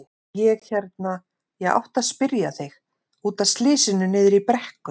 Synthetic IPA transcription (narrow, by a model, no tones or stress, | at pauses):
jɛɣçɛɾt̪na | jɛɣa̰wht̪aðspɪɾjaθɪɣ | uːt̪aðst̪lɪːsɪnʏnɪːðɪɾipɾɛhkʏ